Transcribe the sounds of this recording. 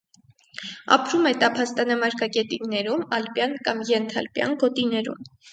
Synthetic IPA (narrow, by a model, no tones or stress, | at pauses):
ɑ̰pʰɾumɛt̪ɑpʰɑst̪ɑnɑmɑɾkɑkɛt̪iŋɡnɛɾumɑlpjɑnkɑmjɛnt̪ʰɑlpjɑ̰nɡɔt̪inɛɾṵm